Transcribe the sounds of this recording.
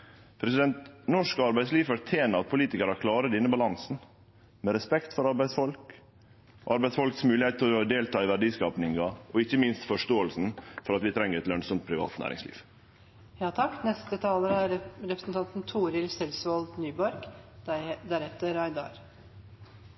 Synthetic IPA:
pʰɾɛsɪd̪ɛnt̪nɔʂkəɑɾbæɪsliːʋfɔɾt̪ʰeːnəɑt̪̚pʰʊliːt̪ɪkəɾɑkʰlɑːɾəd̪ɛnːəbɑlɑnsn̩ | mɛɾɛspɛkt̪fɔɾɑɾbæɪsfɔlk | ʔɑɾbæɪsfɔlksmʉːlɪheːt̪ʰɔd̪eːlt̪ʰɑːɪʋæɖiːskɑːpnɪŋɑʔɔɪçːəmɪnst̪fɔʂt̪oːəlsn̩fɔɾɑt̪ʋɪt̪ʰɾɛŋːəɾɛt̪lœnsɔmt̪̚pʰɾɪʋɑ̰ːt̪næ̰ːɾɪ̰ŋslḭːʋ | jɑːt̪ʰɑkːnɛst̪ət̪ʰɑːləɾəæɾɾɛpɾəsn̩t̪ɑnt̪n̩t̪ʰuːɾɪlsɛlsʋɔld̪nyːbɔɾɡ | d̪æɾɛt̪ːəɾæɪd̪ɑ̰ɾ

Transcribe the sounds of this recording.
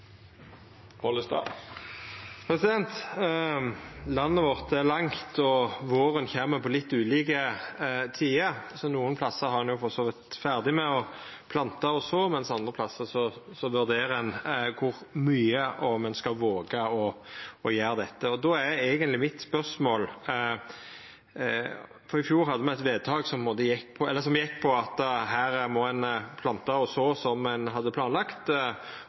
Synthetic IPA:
pɔləst̪ɑ̰ː | pʰɾɛsɪd̪ɛnt̪ | lɑnːəʋɔʁt̪æʁlɑŋt̪ʰɔʋoːʁənçeːməpʰɔlɪt̪ːʉːliːkət̪ʰiːəsɔnuːənpʰlɑsːəɾhɑʁɑnjʊfɔʁsoːʋɪt̪fæʁd̪ɪmɛɔ | pʰlɑnt̪ɑɔsɔmɛnsɑnd̪ʁəpʰlɑsːəsɔsɔʋʉʁd̪eːɾɛnkʰʊɾmyːəɔmɛnskɑlʋoːɡɑɔɔjæːɾd̪ɛt̪ːəɔd̪ɔæeːɡənt̪lɪmɪt̪spœʁsmoːl | fɔɾɪfjuːɾɦɑd̪ːəmɛɛɪt̪ʋeːd̪̚t̪ʰɑːɡsɔmpʰɛmoːt̪əjɛkːpʰɔɛlːəsɔmjɪkːpʰɔɑt̪ɦæːɾmɔɛnpʰlɑnt̪ɑɔsoːsɔmɛnɦɑd̪ːəpʰlɑːnlɑkt̪

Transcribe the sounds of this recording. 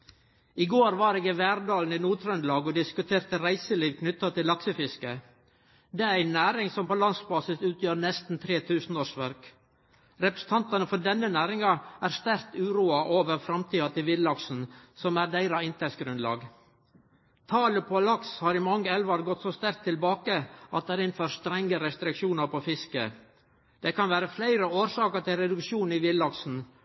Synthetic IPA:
ɪɡoːɾʋɑɾeːɡɪʋæːɾd̪ɑːln̩iːnuːt̪ʰɾœnd̪lɑːɡɔd̪ɪskʉt̪ʰeːɾt̪əɾæɪsəliːʋkʰnʏt̪ːɑt̪ʰɪlːɑksəfɪskə | d̪ɛːæɾæɪnæːɾɪŋsɔmpoːlɑnsbɑːsɪsʉːt̪ʰjøːɾnɛst̪n̩t̪ʰɾeːt̪ʰʉːsn̩oːʂʋæɾk | ɾɛpɾə̥sn̩t̪ʰɑnt̪ɑnəfɔɖɛnːənæːɾɪŋɑæːɾst̪æɾkt̪ʉːɾuːɑʔoːʋəɾfɾɑmt̪ʰiːɑt̪ʰɪlʋɪd̪lɑksn̩sɔmæɾd̪æɪɾɑɪnt̪ʰɛsɡɾʉnlɑ̰ːɡ | t̪ʰɑːləpʰɔɑlɑkshɑːɾɪmɑŋːəɛlʋɑɾɡɔt̪ːsoːst̪æɾk̚t̪ʰːɪlbɑːkəʔɑt̪̚d̪ɛɾɪnføːɾst̪ɾɛŋːəɾɛst̪ɾɪkʃuːnɑɾpɔfɪskə | d̪̥ɛkʰɑnʋæːɾəflæɪɾəoːɾsɑːkəɾʈ̪ɪlɾɛd̪ʉkʃuːniʋɪllːɑksn̩

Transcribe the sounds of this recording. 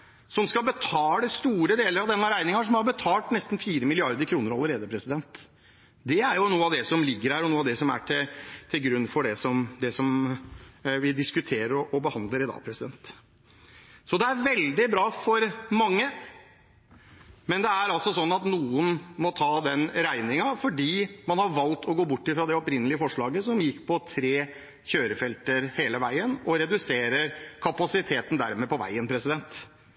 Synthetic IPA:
sɔmskɑbət̪ʰɑːləst̪uːɾəd̪eːləɾɑʋd̪ɛnːɑɾæɪnɪŋɑʂɔmhɑɾbət̪ʰɑːlt̪nɛst̪nfiːɾəmɪlɪɑɾd̪əɾkʰɾuːnəɾɑlːəɾeːd̪əpʰɾɛsɪd̪ɛnt̪ | d̪ɛæɾjʊnuːəɑʋd̪ɛsɔmlɪɡːəɾhæːɾɔnuːəɑd̪ɛsɔmæ̰ʈʰɪt̪ʰɪlɡɾʉnːfɔɖɛsɔmd̪ɛsɔm | ʋɪd̪ɪskʉt̪ʰeːɾəɾɔʔɔbəhɑnd̪ləɾɪd̪ɑ̰ːpʰɾɛsɪd̪ɛ̰nt̪ | sɔd̪ɛæɾʋɛld̪ɪbɾɑːfɔɾmɑŋːə | mɛnd̪ɛæɾɑlsɔsɔnːɑt̪nuːənmɔt̪ʰɑːd̪ɛnɾæɪnɪŋɑfɔɖiːmɑnhɑɾʋɑlt̪ʰɔɡoːbʊʈːɪfɾɑd̪ɛɔpɾɪnəlɪəfɔʂɭɑːɡəsɔmjɪkːpʰɔt̪ʰɾeː | çøːɾəfɛlt̪əɾheːləʋæɪənɔɾɛd̪ʉseːɾəɾkʰɑpɑsɪt̪ʰeːt̪ən̩d̪æɾmɛpɔʋæ̰ɪənpʰɾɛsɪd̪ɛnt̪

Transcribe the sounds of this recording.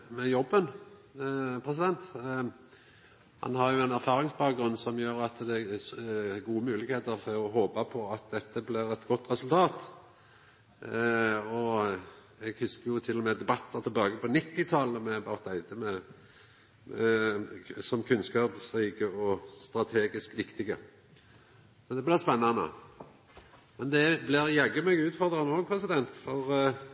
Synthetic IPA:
mɛjɔbːən | pʰʁɛsɪd̪ɛnt̪ | hɑ̰nhɑʁjʊɛnæɾfɑːʁɪŋsbɑːk̚ɡɾʉnːsɔmjøːɾɑt̪d̪ɛ | ɡuːəmʉːlɪɡheːt̪əɾfɔɾɔɦoːpəpʰɔɑt̪̚d̪ɛt̪ːəblɪɾɛt̪ɡɔt̪ːʁɛsʉlt̪ʰɑːt̪ | ɔ | ɛɡhʉskəjʊt̪ʰɪlːʊmɛd̪ɛbɑt̪ːəɾt̪ʰɪlbɑːɡəpʰɔnɪt̪ːɪt̪ʰɑləmɛbɑt̪æɪd̪əmɛ | mɛ | sɔmkʰʉnskɑːpsɾiːkəɔst̪ɾɑt̪ʰeːɡɪskʋɪkt̪ɪɡə | sɔd̪ɛblɪʁspɛnːɑnə̰ | mɛnd̪ɛblɪɾjæɡːəmɛːɡʉːt̪fɔʁd̪ɾɑnoːpʰɾɛsɪd̪ɛnt̪fɔʁ

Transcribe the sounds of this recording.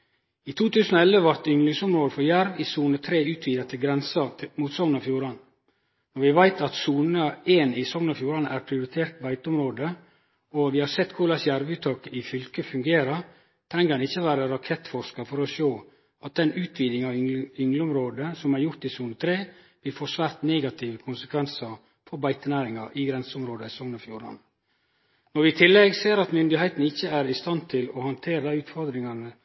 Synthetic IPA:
it̪ʰuːt̪ʰʉːsən̩oɛlʋəʋɑɾt̪ʏŋːlɪŋsʊmɾoːd̪əfɔɾjæɾʋɪsuːnət̪ʰɾeːʉːt̪ʰʋiːd̪ət̪ʰɪlɡɾɛnsɑmuːt̪sɔŋnɑfjuːɾɑn | nɔɾʋɪʋæɪt̪ʰɑt̪suːnəeːnɪsɔŋnofjuːɾɑnæːɾpʰɾɪʊɾɪt̪ʰeːɾt̪̚bæɪt̪ʊmɾoːd̪ə | ɔʋɪhɑɾsɛt̪ːkʰʊɾlɑsjæɾʋʉːt̪ʰːɑːkəʔɪfʏlkəfʉŋɡeːɾəɾ | t̪ʰɾɛŋːəɾhɑnɪçːəʋæːɾəɾɑkʰɛt̪ːfɔɾʂkɑfɔɾɔʃoː | ɑt̪̚d̪ɛnʉːt̪ʰʋiːd̪ɪŋɑʋʏŋlʊmɾoːd̪əsɔmæɾjʊɾt̪ɪsuːnt̪ʰɾeː | b̥ɪlfoːʂʋæːɾt̪neːɡɑt̪ʰɪʋəkʰʊnsəkʰʋɛnsɑ | fɔɾbæɪt̪ənæːɾɪŋɑʔɪɡɾɛnsʊmɾoːd̪əɪsɔŋnɔfjuːɾɑ̰n | nɔɾʋɪt̪ʰɪlːɛɡseːɾɑt̪mʏnd̪ɪhæɪt̪n̩ɪçːəæɾɪst̪ɑnt̪ʰɪlɔhɑnt̪ʰeːɾəæʉːt̪fɔɾd̪ɾɪŋɑnə

